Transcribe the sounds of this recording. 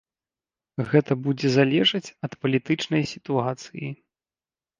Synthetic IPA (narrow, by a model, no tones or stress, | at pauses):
ɣɛt̪ɐbud͡zʲɛzalʲɛʐɐt͡sʲɐt̪pɐlʲit̪ɨt͡ʂnɐjsʲi̥t̪uat̪sɨjḭ